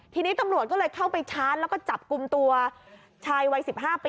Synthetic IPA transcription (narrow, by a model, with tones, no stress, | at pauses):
t̪ʰiː˧niː˦˥t̪a˧mɾu˨˩t̪̚k̬ɔ˥˩lɤː˧jkʰa˥˩wpa˧jt͡ɕʰaː˦˥nlɛ˦˥wkɔː˥˩t͡ɕa˨˩p̚ku˧mt̪u˧ɐ | t͡ɕʰaː˧jwa˧jsi˨˩p̚ɦaː˥˩piː˧